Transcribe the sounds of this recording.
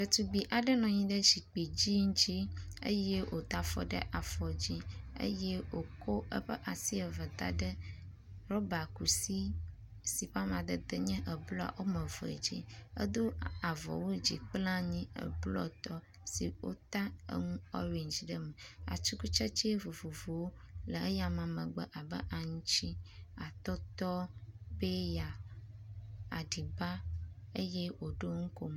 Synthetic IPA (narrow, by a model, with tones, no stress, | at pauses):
kə˨t̪u˨bi˨ʔa˨ɖə˦nɔ̃˨ɲĩ˦ɖə˦ʃi˨k͡pi˨d͡ʑi˦ŋ˦t͡ʃi˦ə̰˦jɛ˦wʔo˨t̪a˨fɔ̰˦ɖə̰˦ʔa˨fɔ˨d͡ʑi˦ə̰˦jɛ˦wo˨ko˦ə̰˦ɸə˦ʔa˨si˦ə˨və˨t̪a̰˨ɖə˦ | ɾɔ˦ba˨ku˨si˦ | si˨ɸa˦mã˨d̪ə˦d̪ə˦ɲɛ̃˦ʔə˨blɔ˦a̰˨wo˦mə̃˨vɔ˨d͡ʑḭ˦ə̰˦d̪o˦a˨vɔ̰˨wo˦d͡ʑḭ˨k͡plã˦ɲĩ˦ə̰˨blɔ̰˦t̪ɔ˦ | si˨wo̰˦t̪a˦ə̰˦ŋũ˦ɔ̰˦wi˨ɲ˨d͡ʒi˨ɖə˦mə˨a̰˨t͡ʃu˦ku˦t͡ʃɛ˦t͡ʃi˦vo˨vo˨vo˨wo˦lə˨ə˦ja˨mã˨mə̃˨ɡ͡bə̰˦˨ʔa˨bə̰˦ʔa˨ŋũ˦t͡ʃi˦a˨t̪ɔ˦t̪ɔ˦be˦ja˨ | a̰˨ɖi˨ba˦ | ə˦je˦wo˨ɖo˦ŋu˦ko˦m